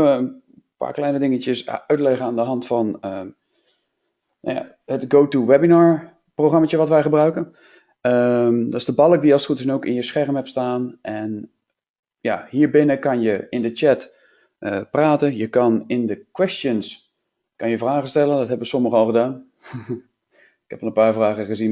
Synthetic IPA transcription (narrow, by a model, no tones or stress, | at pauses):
ʋəən | pa̰ːɹklɛjnədɪŋət͡ʃəsœɥtlɛχəaːndəɦɑntfɑnə | nja̰ | hətɡowtuwɛbinaːɹ | proxrɑmat͡ʃəʋɔtʋɛjχəbrœɥkən | əmdɔtɪsdəbɑlˠək̚diɑlˠstχutəsnowkɪnjəsχɛrmɦɛpstaːnʔɛn | ja̰hiːɹbɪnəkɑnjəɪndət͡ʃɛt | ʔəpraːtənjəkɑnɪndəkwɛstjəns | kɑnjəvraːχəstɛləndɔtɦɛbəʋəsɔməχəɔlˠχədaːn | ɪkhɛpɔlˠənmpaːɹvraːɣəχəzin